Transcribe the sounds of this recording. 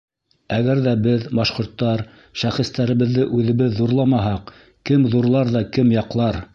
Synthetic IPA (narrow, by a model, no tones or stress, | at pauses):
æɡæɾðæbɘðbɑʃqŏɾt̪ːɑɾ | ʃæχɘ̆st̪æɾɘ̆βɘ̆ðːɘʔʉðɘ̆βɘðːuɾlˠɑmɑɦɑq | kɘmðuɾlˠɑɾðɑkɘmjɑqlˠɑɾ